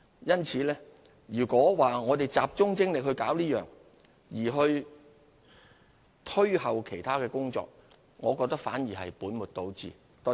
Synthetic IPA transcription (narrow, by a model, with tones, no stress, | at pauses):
jɐ˥nt͡sʰiː˨˧lɛː˥ | ɥyː˨˩kʷɔː˨˥waː˨ŋɔː˨˧t̪e˨jt͡saː˨p̚t͡ʃʊ˥ŋt͡sɪ˥ŋlɪ˨k̚ɦɵ˧ɥkaː˨˥wliː˥jœː˨ŋ | jiː˨˩ɦɵ˧ɥ | t̪ʰɵ˥ɥhɐ˨wkʰe˨˩jt̪ʰaː˥kɛː˧kʊ˥ŋt͡ʃɔ̰ː˧k̚ | ŋɔː˨˧kɔː˧k̚t̪ɐ˥k̚faː˨˥njiː˨˩ɦɐ̰˨jpuː˨˥nmʊ˨t̚t̪o˧wt͡sḭː˨ | t̪ɔ˧˥